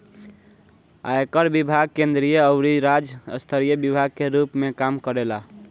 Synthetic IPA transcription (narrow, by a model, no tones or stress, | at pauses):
a̰ekəɾbibʱaɡ̚kẽnd̪ɾijəəʊɾiɾad͡ʒə̰st̪ʰəɾijəbibʱaɡ̚keɾupmekamkəɾela